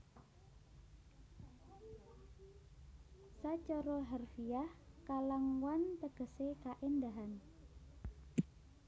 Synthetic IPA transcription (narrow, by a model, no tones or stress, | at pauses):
sat͡ʃɔɾɔɦarfiahkalaŋwant̪əɡ̥ə̤sekaʔend̪aɦan